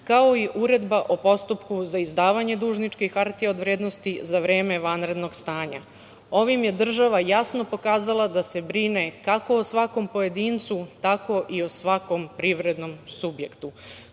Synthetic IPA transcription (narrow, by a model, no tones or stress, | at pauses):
kaoiʔuɾe̞d̪baʔo̞po̞st̪upkuzaizd̪aːʋaɲe̞d̪uːʒnit͡ʃkixaɾt̪iao̞d̪ʋɾeːd̪no̞st̪izaʋɾe̞ːme̞ʋanɾe̞d̪no̞ɡst̪aːɲa̰ | o̞ʋimje̞d̪r̩ʒaʋajasno̞po̞kaːzalˠad̪ase̞bɾine̞kako̞osʋako̞mpo̞je̞d̪iːnt̪sut̪ako̞ʔio̞sʋako̞mpɾiʋɾe̞d̪no̞msubje̞kt̪u